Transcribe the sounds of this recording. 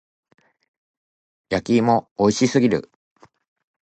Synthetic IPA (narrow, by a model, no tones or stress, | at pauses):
jakʲiːmo̞ːiɕisɨɡʲiɾɯ̰